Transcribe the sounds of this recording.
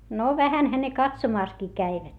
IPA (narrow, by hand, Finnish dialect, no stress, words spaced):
no ʋæhænhæ ne kɑtsomɑˑskiː kæiʋæt